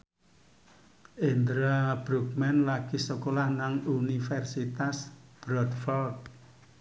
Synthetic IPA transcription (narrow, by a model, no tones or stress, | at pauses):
ʔend̪ɾabɾuk̚mɛnlakisəkolahnaŋunifɛrsit̪asb̥ɾɔt̪fɔlt